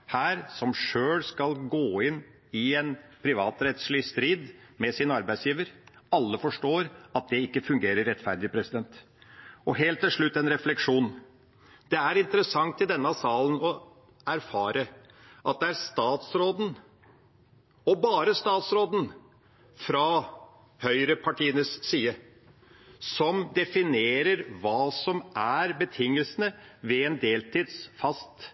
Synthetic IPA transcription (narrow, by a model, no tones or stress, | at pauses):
hæːɾsɔmʂøːɽskɑlɡoːɪnː | ɪɛnpʰɾɪʋɑːt̪ɾɛt̪slɪst̪ɾiːd̪mɛsɪnɑɾbæɪsjiːʋəɾɑlːəfɔʂʈoːɾɑt̪̚d̪ɛɪkːəfʉŋɡeːɾəɾːɛt̪fæɾd̪ɪpʰɾɛsɪd̪ɛnt̪ | ɔɦeːlt̪ːɪlʂɭʉt̪ːɛnɾɛflɛkʂuːn | d̪̥ɛæɾɪnt̪əɾəsɑŋt̪ɪd̪ɛnːəɑsɑːlənɔ | æɾfɑːɾə | ʔɑt̪̚d̪ɛæɾst̪ɑːt̪sɾoːd̪n̩ | ɔbɑːɾəst̪ɑːt̪sɾoːd̪n̩ | fɾɑ | hœʏɾəpʰɑʈiːənəsːiːə | sɔmd̪ɛfɪneːɾəɾʋɑːsɔmʔæɾbət̪ʰɪŋːəlsənəʋɛɛnd̪eːlt̪ʰiːd̪sfɑst̪